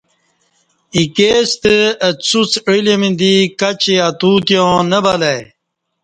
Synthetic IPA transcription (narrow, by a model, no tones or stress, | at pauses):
ikest̪əət͡sut͡sɻilemind̪ikat͡ɕeat̪ut̪jõːnəbɐlaj